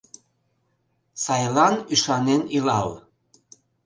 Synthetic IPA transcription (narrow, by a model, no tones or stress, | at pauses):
sɑjlɑnyʃɑnenilɑl